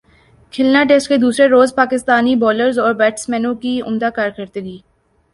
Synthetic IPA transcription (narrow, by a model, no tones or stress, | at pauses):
kʰɪlnaʈ̬eːsʈked̪uːsɾeɾoːzpaːkɪst̪aːnibɔːləɾzɔːɾbɛːʈsmɛ̃ːnõkiʊ̰md̪akaːɾkɐɾt̪eɡiː